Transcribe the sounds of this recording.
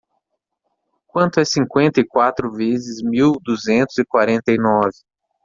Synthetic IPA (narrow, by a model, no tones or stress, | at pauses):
kwɐ̃nt̪ʊɛsĩŋkwẽnt̪ɐjkwat̪ɾʊvezɪzmiwd̪uzẽnt̪ʊzɪkwaɾẽnt̪ɐjnɔvɪ